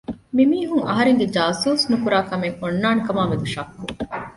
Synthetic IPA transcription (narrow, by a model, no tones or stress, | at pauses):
mimiːɦuŋɐ̰ɦɐɾeŋɡed͡ʒaːsuːsnukuɾaːkɐmeŋonːaːnukɐmaːʋed̪uʃɐkːu